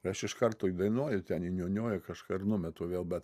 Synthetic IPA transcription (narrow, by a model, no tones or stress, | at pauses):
ɪɐʃɪʃkɐrt̪oːid̪ɐɪnoɔjʊt̪ʲɛninʲuːnʲoːjʊkɐʃkaːɪrnʊmʲɛt̪oːʋʲeːlˠbʲɛt̪